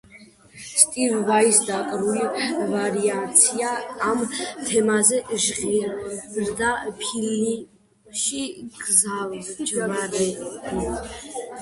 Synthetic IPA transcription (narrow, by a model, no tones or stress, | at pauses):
st̪ʼivvajsd̪akʼɾulivaɾiat̪sʰijaːmt̪ʰɛmazɛʒʁirrd̪apʰili | ʃiɡzald͡ʒvaɾɛ